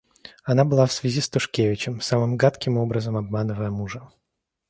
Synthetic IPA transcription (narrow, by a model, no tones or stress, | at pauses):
ɐnabɨlˠafsvʲɪzʲist̪ʊʂkʲevʲɪt͡ɕɪmsamɨmɡat̪kʲɪmo̞bɾəzəmɐbmanɨvəjəmuʐə